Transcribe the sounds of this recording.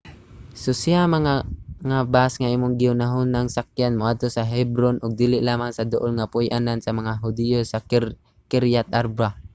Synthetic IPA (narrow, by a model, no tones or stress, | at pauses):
sʊsiamaŋaŋabasŋaiːmʊŋɡɪʊnaɦʊnːaŋsak̚janmoʔad̪̚t̪osaɦɛbɾonʔʊɡ̚d̪iːlɪʔlaːmaŋsad̪oʔolŋapʊjʔanansamaŋaɦʊd̪ɪjosa | kɪɾjat̪aɾba